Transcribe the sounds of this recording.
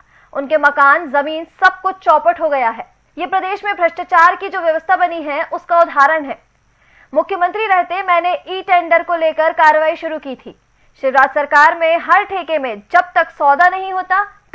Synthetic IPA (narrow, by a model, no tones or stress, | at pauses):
ʊnkemɐkaːnzɐmiːnsɐb̚kʊt͡ʃʰt͡ʃɔːpəʈɦoɡɐjaɦɛː | jeːpɾɐd̪eːʃmẽbɾɐʃʈat͡ʃaːɾkid͡ʒoːʋjɐʋəst̪ʰabɐniɦɛʔʊskaʊd̪ʱaːɾənɦɛː | mʊkʰːjəmə̃nt̪ɾiɾɛɦt̪eɦɛ̃mɛ̃ːneʔiːʈẽːɳɖəɾkoleːkəɾkaːɾʋaːiʃʊɾukiːt̪ʰḭː | ʃɪʋɾaːd̪sɐɾkaːɾmẽɦɐɾʈʰeːkemẽd͡ʒɐb̚t̪ɐksɔːd̪anɐɦĩɦoːt̪aː